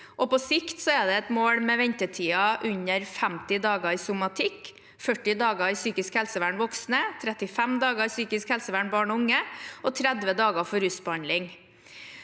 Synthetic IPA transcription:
ʔɔpɔsɪkt̪sɔɛd̪ɛɛt̪moːɽmɛʋɛɲt̪ət̪ʰiːɑʔʉɲəɾfæmt̪ɪd̪ɑːɡəɪsʊmɑt̪ʰɪk | fœʈːɪd̪ɑːɡəɪsyːkɪskhɛlsəʋæːɳʋɔksnət̪ʰɾɛt̪ɪfɛmd̪ɑːɡəɪsyːkɪskhɛlsəʋæːɳbɑːɳɔʊŋəʔɔt̪ʰɾɛd̪ʋəd̪ɑːɡəfɔɾʉsbəɑnd̪lɪŋ

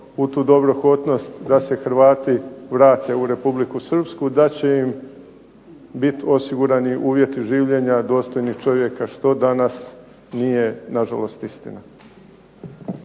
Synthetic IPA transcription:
ut̪uːd̪o̞bɾo̞xo̞t̪no̞st̪d̪ase̞xɾʋaːt̪iʋɾaːt̪e̞uɾe̞publikusr̩pskud̪at͡ɕe̞im | bit̪o̞siɡuɾaniʔuːʋje̞t̪iʒiːʋʎe̞ɲad̪o̞ːst̪o̞jniht͡ʃo̞ʋje̞kaʃt̪o̞d̪anas | nije̞naʒa̰lo̞st̪ist̪ḭna

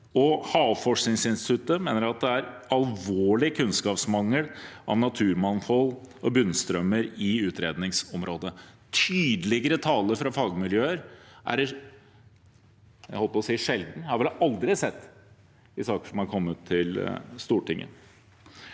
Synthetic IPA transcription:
ɔhɑːʋfɔʂknɪŋsɪnst̪ɪt̪ʰʉt̪ːəmeːnəɾɑt̪̚d̪ɛæɾɑlʋoːɭɪkʰʉnskɑːpsmɑŋːəlʔɑ̰ʋnɑt̪ʰʉːɾmɑnfɔl | ɔbʉnst̪ɾœmːəɾɪʉːt̪ɾeːd̪nɪŋsɔmɾoːd̪ə | t̪ʰyːd̪lɪɡəɾət̪ʰɑːləɾfɾɑfɑːɡmɪljøːəɾʔæ̰ɾ | æhɔlpəpɔsiːʂɛld̪n̩hɑɾʋɪlʔɑld̪ɾɪsɛt̪ː | ɪsɑːkə̥ʂɔmhɑɾkʰɔmːət̪ʰːɪlst̪uːʈʰɪŋːə̰

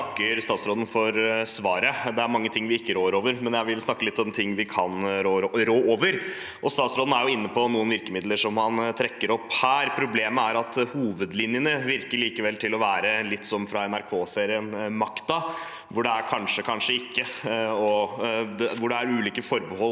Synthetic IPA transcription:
kːəɾst̪ɑːt̪sɾoːd̪n̩fɔɾsʋɑːɾəd̪ɛæɾmɑŋːət̪ʰɪŋːʋɪɪkːəɾoːəɾoːʋəɾmɛnjæɪʋɪlsnɑkːəlɪt̪ːɔmt̪ʰɪŋːʋɪkʰɑnɾoːɾɾoːʔoːʋəɾ | ʔɔst̪ɑːt̪sɾoːd̪n̩æɾjʊɪnːəpʰɔnuːənʋɪɾkəmɪd̪ləʂɔmhɑnt̪ʰɾɛkːəɾɔpːhæːɾpʰɾʊbleːməæɾɑt̪huːʋəd̪lɪnjənəʋɪɾkəɭiːkəʋɛlt̪ʰɪlɔʋæːɾəlɪt̪ːsɔmfɾɑɛnæɾkʰoːseːɾɪənmɑkt̪ɑ | ʋʊɖɛæɾkʰɑnʂəkʰɑnʂəɪkːəɔd̪ɛʋʊɖɛæɾʉːliːkəfɔɾbəhɔl

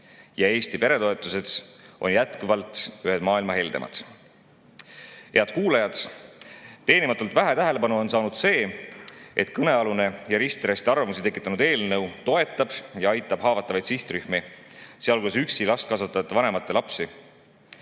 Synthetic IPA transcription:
jɑe̞ːst̪ipe̞ɾe̞t̪o̞e̞t̪ːˑuse̞d̪̥sʔo̞̰njæt̪kuvɑlt̪ˑyɦed̪mɑːilmɑɦe̞ld̪emʔɑ̰d̪̥ | he̞ɑd̪̥kuːlɑjɑd̪̥ | t̪e̞ːnimɑt̪ːˑult̪væɦe̞t̪æɦe̞le̞pɑnuo̞nsɑːnud̪̥se̞ː | e̞t̪kɤne̞ɑlune̞jɑɾist̪iɾɑsʲt̪iɑrvɑmusit̪e̞kːˑit̪ːˑɑnud̪e̞ːlnɤwt̪o̞e̞t̪ˑːɑb̥jɑɑjt̪ːˑɑb̥ɦɑːvɑt̪ˑːɑvɑjd̪̥siht̪ryhmeseɑlɡus̬yksilɑst̪̚kɑsuɑt̪ːˑɑt̪ːˑɑvɑne̞mɑt̪ːˑe̞lɑpsi

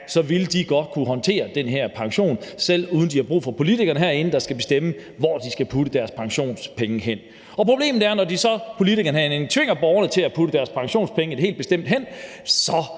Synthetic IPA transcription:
sɒ̽ʋiləd̥iɡ̥ɒ̽d̥̚kʰuɦɒ̽nt͡sʰe̝̰ːɐd̥enɦæɐ̰pʰɑ̈ŋɕo̝̰ːnsel̰uːðˠn̩d̥ihɑ̈b̥ʁṵːfɒ̽pʰo̝lit͡sʰiɡ̥ɐnəɦæɐ̰e̝n̩d̥ɑ̈sɡ̥æb̥e̝sd̥emə | ʋɒd̥isɡ̥æpʰud̥əd̥æɐspʰɑ̈ŋɕo̝̰ːnspʰeŋəɦen̰ | ɒ̽pʰʁo̝b̥le̝̰ːmð̩ˠæɐnɒdisɒ̽pʰo̝lit͡sʰiɡ̥ɐnəɦæ̰enent͡sʰʋe̝ŋ̰ɐb̥ɒʊɐnət͡sʰe̝læpʰud̥əd̥æɐspʰɑ̈ŋɕo̝̰ːnspʰeŋəe̝dɦe̝̰ːld̚b̥e̝sd̥em̰d̥ɦen̰ | sɒ̽

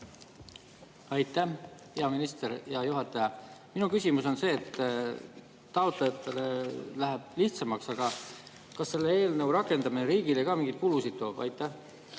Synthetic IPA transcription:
ɑjt̪ːˑæhpeɑminist̪e̞ɾjɑjuɦɑt̪ːˑɑjɑminukysʲimuso̞nse̞ːt̪ː | t̪ːɑot̪lejɑt̪ːˑe̞le̞læɦæb̥̚liht̪sɑmɑksɑɡ̥ɑ | kɑsːe̞lːe̞e̞ːlnə̞uɾɑkːˑe̞nd̪ɑmineɾiːɡilejkɑmiŋɡ̥it̪̚kulusid̪̥̚t̪o̞ːb̥ɑ̰jt̪ːˑæh

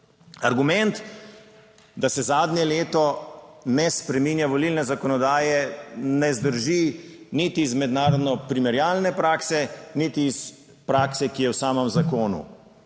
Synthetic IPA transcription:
aɾɡumɛnt̪ | d̪asɛzaːd̪nɲjɛleːt̪ɔnɛspɾɛminjaʋɔlilnɛzakɔnɔd̪aːjɛnɛzd̪əɾʒinit̪iːzmɛd̪naːɾɔd̪nɔpɾimɛɾjaːlnɛpɾaːksɛnit̪iːs | pɾaːksɛkijɛwsaːməmzakoːnṵ

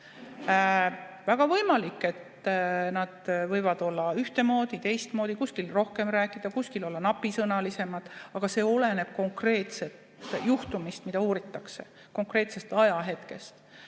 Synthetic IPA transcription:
væɡ̥ɑvɤjmɑlikːˑe̞t̪ | nɑd̪̥vɤjvɑd̪̥o̞lːɑyht̪e̞mo̞ːd̪̥it̪e̞jst̪moːd̪̥ikuskilro̞hke̞mɾæːkːˑid̪̥ɑkuskilo̞lːɑnɑpːˑisɤnɑlise̞mɑd̪̥ɑɡ̥ɑse̞ːo̞le̞ne̞b̥̚ko̞ŋkre̞ːt̪se̞t̪juht̪umist̪mid̪ɑuːɾit̪ːˑɑkse̞ | ko̞ŋkre̞ːt̪se̞st̪ɑjɑɦe̞t̪ke̞st̪

